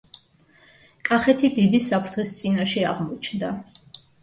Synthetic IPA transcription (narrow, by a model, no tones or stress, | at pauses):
kʼaχɛt̪ʰid̪id̪isapʰɾt̪ʰχist̪sʼinaʃɛa̰ʁmɔt͡ʃʰnd̪a